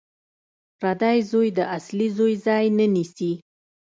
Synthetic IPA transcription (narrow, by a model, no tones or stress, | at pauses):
ɾad̪ɑjzojd̪əʔaslizojzɑjnənisi